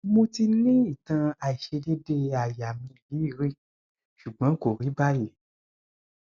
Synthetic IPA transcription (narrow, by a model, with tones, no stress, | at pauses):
mõ˧ti˧nĩ˦i˨tã˧a˨i˨ʃe˧de˦de˧a˨ja˨mĩ˧li˨˦i˦˨ɾi˦ | ʃu˨ɡ͡bɔ̃˨˦ko˨ɾi˨˦ba˦je˨